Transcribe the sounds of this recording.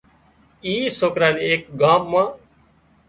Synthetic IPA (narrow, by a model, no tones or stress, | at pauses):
iːsoːkɾaːneeːk̚ɡãːmmãː